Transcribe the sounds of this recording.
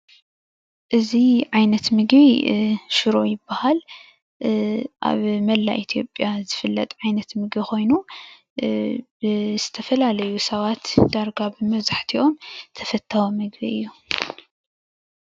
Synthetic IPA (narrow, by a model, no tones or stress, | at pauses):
ʔɨziʕajnɐt̪mɨɡβiʃɨɾo̞̰jɪbːahal | ʔa̰βmɐlːa̰ʔit̪ʰijo̞̰pʼjazɨfɨlːɐt̪ʼʕajnɐt̪mɨɡbixo̞jnu | bɨz̥ɨt̪ʰɐfɐlalɐjusɐβat̪d̪aɾɡabɨmɐβzaħt̪ʰiʔo̞mt̪ʰɐfɐt̪ʰːawomɨɡbiʔɨ̰jːu